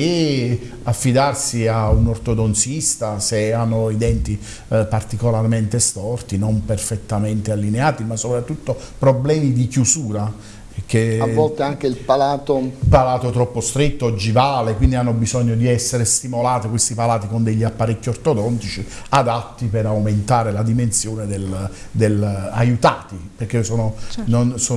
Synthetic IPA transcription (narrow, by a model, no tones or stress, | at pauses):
e | afːid̪arsiaunort̪od̪ont̪sist̪aseanːoid̪ɛnt̪i | part̪ikolarment̪est̪ɔrt̪inomperfet̪ːament̪ealːineaːt̪imasːopɾat̪ːut̪ːo | pɾoblɛːmid̪ikjusuːɾa | k̟eavːɔlt̪eaŋk̟eilpalaːt̪opalaːt̪ot̪ɾɔpːost̪ɾet̪ːod͡ʒivaːlekwind̪ianːobizɔɲːod̪iɛsːeɾest̪imolaːt̪ikwest̪ipalaːt̪ikond̪eʎːiapːaɾekːiort̪od̪ɔnt̪it͡ʃi | ad̪at̪ːipeɾawment̪aːɾelad̪imensjoːned̪el | d̪elajut̪aːt̪iperk̟ːesoːnononso